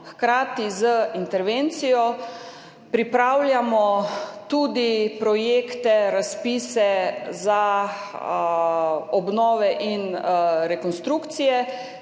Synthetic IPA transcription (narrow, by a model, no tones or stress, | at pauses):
xkɾaːt̪izəint̪ɛɾʋent̪sijɔ | pɾipɾawlʲjamɔt̪uːd̪ipɾɔjeːkt̪ɛɾaspiːsɛza | ɔbnɔːʋɛʔinɾɛkɔnst̪ɾukt̪sijɛ